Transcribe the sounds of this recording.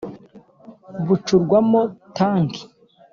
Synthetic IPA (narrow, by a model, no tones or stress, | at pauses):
βut͡ʃuɾɡwamotaːŋki̥